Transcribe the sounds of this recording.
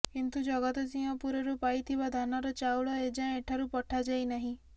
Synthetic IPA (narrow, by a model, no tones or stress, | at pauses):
kint̪ud͡ʒɔɡɔt̪ɔd͡ʒiɔ̃puɾɔɾupajt̪ʰibad̪ʱanaɾɔt͡ʃawɭɔed͡ʒãeʈʰaɾupɔʈʰad͡ʒajnaɦĩ